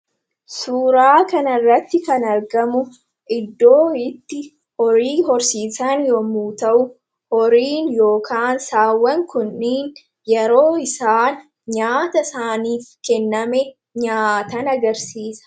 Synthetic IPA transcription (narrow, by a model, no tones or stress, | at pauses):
suːɾaːkɐnɐrːɐt̪ːɪkɐnɐɾɡɐmʊ | ʔɪd̪ːoːɪt̪ːɪ | ɔɾiːɦɔɾsiːsɐnjɔmuːt̪ɐʔʊ | ɔɾiːnjo̞ːkʰaːnsaːwːɐŋkʊnːiːn | jɛɾo̞ːɪsaːn | ɲaːt̪ɐsaːniːfkɛnːɐmɛ | ɲaːt̪ɐnɐɡɐɾsiːsɐ̥